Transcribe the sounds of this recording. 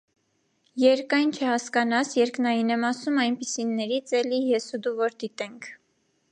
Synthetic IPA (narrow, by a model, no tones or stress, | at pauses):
jɛɾkɑjnt͡ʃʰɛhɑskɑnɑsjɛɾknɑjinɛmɑsumɑjnpisinːɛɾit͡sʰɛlijɛsud̪uvɔɾd̪it̪ɛŋkʰ